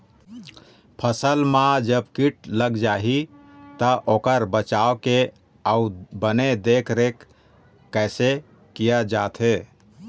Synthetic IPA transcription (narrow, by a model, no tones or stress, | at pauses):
pʰəsəlmãd͡ʒəbkiʈləɡd͡ʒaɦit̪əʔokəɾbət͡ʃaoke | aubəned̪ekʰɾekː | ɛɪse | kijad͡ʒat̪ʰɦe